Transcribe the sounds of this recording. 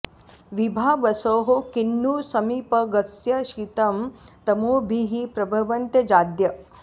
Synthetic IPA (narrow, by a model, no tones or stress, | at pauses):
ʋibʱaːʋɐsoːɦokinːuːsɐmiːpɐɡɐsjɐʃiːt̪ɐm | t̪ɐmoːbʱiɦipɾɐbʱɐʋɐnt̪jɐd͡ʒaːd̪jɐ